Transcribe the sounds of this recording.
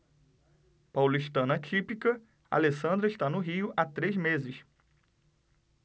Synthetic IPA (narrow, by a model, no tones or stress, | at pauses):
pawliʃt̪ɐ̃nɐt͡ʃipikɐ | a̰lesɐ̃nd̪ɾɐɪʃt̪anʊɦiʊʔat̪ɾezmezɪs